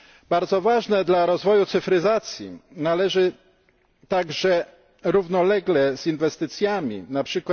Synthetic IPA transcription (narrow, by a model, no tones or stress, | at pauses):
baɾd̪zɔvaʐnɛd̪laɾɔzvɔjut̪sɘfɾɘzat̪sʲjḭnalɛʐɘ | t̪aɡʐɛ | ɾuvnɔlɛɡlɛzinvɛst̪ɘt̪sʲjamʲḭnapʂɘkwa